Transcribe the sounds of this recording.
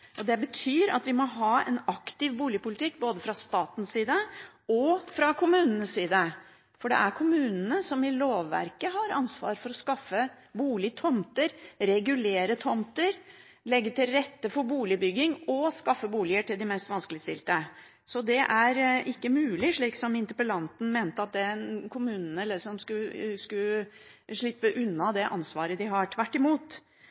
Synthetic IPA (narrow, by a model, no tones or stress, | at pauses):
ʔɔd̪ɛbət̪ʰyːɾɑ̰t̪ʋɪmɔɦɑːɛ̰nɑkt̪ɪʋbuːlɪəpʊlɪt̪ʰɪkːboːd̪əfɾɑst̪ɑːt̪n̩siːd̪ə | ɔfɾɑkʰʊmʉːnənəssiːd̪ə | fɔɖɛ̰ʔæɾkʰʊmʉːnənəsɔmɪloːʋːæ̰ɾkəɦɑɾɑnsʋɑ̰ːɾfɔɾɔskɑfːə | buːlɪt̪ʰɔmt̪əɾɾɛɡʉleːɾət̪ʰɔmt̪əɾ | lɛɡːəʈɪlɾɛt̪ːəfɔɾbuːlɪbʏɡːɪŋɔskɑfːəbuːlɪəʈɪld̪ɪmɛst̪ʋɑnskəlɪəst̪ɪlt̪ə | sɔd̪ɛʔæɾɪkːəmʉːlɪʂɭiːksɔmɪnt̪əpəlɑnt̪n̩meːnt̪əɑt̪̚d̪ɛkʰʊmʉːnn̩ɛlːəsɔmskʉskʉ | ʂɭɪpːəʔʉnːɑd̪ɛʔɑ̰nsʋɑːɾəd̪ɪɦɑʈʰʋæʈːɪmuːt̪